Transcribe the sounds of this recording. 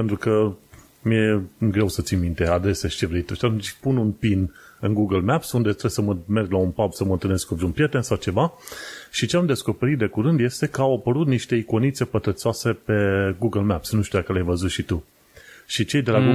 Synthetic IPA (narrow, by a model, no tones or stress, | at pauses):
pent̪ɾukə | mije̞ɡɾe̞wsət̪sinmint̪e̞ad̪ɾe̞seʃi̥t͡ʃe̞vɾe̞jt̪uʃat̪umt͡ʃpununpinɨnɡuɡəlmapsund̪et̪ɾesəməme̞rɡlaunpabsəmənt̪ɨlneskupɾiunpɾje̞t̪e̞nsawt͡ʃe̞vaʃit͡ʃe̞amd̪e̞sko̞peɾit̪̚d̪e̞kuɾɨnd̪je̞st̪e̞kəawapəɾut̪niʃt̪e̞iko̞nit̪sepət̪ɾət̪soase̞pe̞ɡuɡəlmapsnuʃt̪ʲujakəleajvəzut̪ʃit̪u | ʃit͡ʃe̞jd̪e̞laɡu